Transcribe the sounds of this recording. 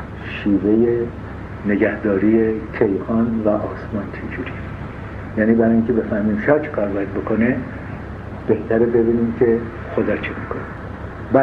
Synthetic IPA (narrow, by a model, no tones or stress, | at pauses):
ʃiːve̞je | ne̞ɡæhd̪ɒːɾiːjecʰejhɒːnvæʔɒːsmɒːnt͡ʃʰed͡ʒuɾi | jæːniːbæɾɒjiŋcʲʰe̞be̞fæhmiːmsiɒːt͡ʃʰekʰɒːɾbɒːjæd̪̚bo̞kʰone | b̥e̞ht̪ʰæɾebe̞biːniːmcʰe̞ | xo̞d̪ɒːt͡ʃʰemikʰone | bæ